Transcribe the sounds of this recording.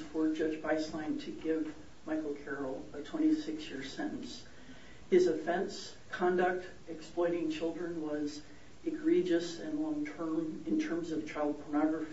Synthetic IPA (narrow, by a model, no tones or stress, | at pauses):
fə˞d͡ʒʌd͡ʒbaɪslãɪ̃ntʰɨɡɪv | maɪkl̩ˠkʰɛɹl̩ˠətʰw̥ɛ̃ɾ̃isɪksjɪɹ̥sɛ̃ñʔn̩s | hɨzɨfɛ̃ns | kʰɑ̃ndək̚t | ɨksplɔ̃ɪ̃ɾ̃ɪ̃ŋt͡ʃʰɪlˠdɹɨ̃nwʌz | ɨɡɹid͡ʒɨsɨ̃nlɔ̃ŋtʰɜ̃˞mɨ̃ntʰɜ̃˞mzʌv̥t͡ʃʰaɪlˠd̚pʰə˞nɑɡɹɨf